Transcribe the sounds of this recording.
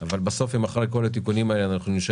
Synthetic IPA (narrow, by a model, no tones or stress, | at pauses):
avalbaso̞fimaχaʁejko̞lat̪̬ikunimaeleanaχnuniʃ